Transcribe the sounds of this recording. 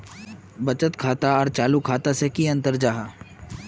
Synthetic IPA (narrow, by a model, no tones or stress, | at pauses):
bɐt͡ʃət̪kʰaːt̪aɔːɾt͡ʃaːlukʰaːt̪asekiɐ̃nt̪əɾd͡ʒaːɦaː